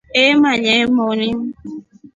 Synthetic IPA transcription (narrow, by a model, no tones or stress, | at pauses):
emaɲemonim